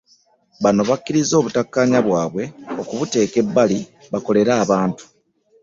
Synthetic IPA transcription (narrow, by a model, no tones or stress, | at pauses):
βano̞βakːiɾizo̞ːβutakːaːɲaβwaːβwe̞o̞kuβute̞ːke̞bːali | βako̞le̞ɾaːβaːntu̥